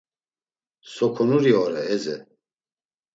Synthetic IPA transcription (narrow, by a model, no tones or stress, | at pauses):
sɔkʰɔnuɾiɔɾɛːzɛ̰